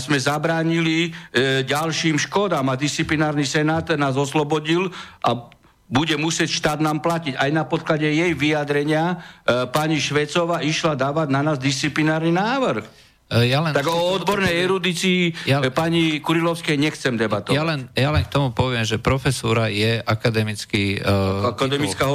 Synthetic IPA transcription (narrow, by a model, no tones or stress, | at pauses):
zmɛzabɾaːɲiliɟalʃiːmʃkɔd̪aːmad̪ist͡siplinaːɾnisɛnaːt̪naːzɔslɔbɔɟilʔa | buɟɛmusɪɛcʃt̪aːd̪naːmplaciɟajnapɔt̪̚klaɟɛjɛjʋijad̪ɾɛɲɪapaɲiʃʋɛt͡sɔʋaiʃlad̪aːʋaɟnanaːzd̪ist͡siplinaːɾninaːʋɾ̩x | jalɛnt̪aɡɔɔd̪bɔɾnɛjɛɾud̪it͡siːapaɲikuɾilɔʊskɛjɲɛxt͡sɛmd̪ɛbat̪ɔjalɛnjalɛnkt̪ɔmupɔʋɪɛmʒɛpɾɔfɛsuːɾajɛʔakad̪ɛmit͡skiakad̪ɛmit͡skaɦ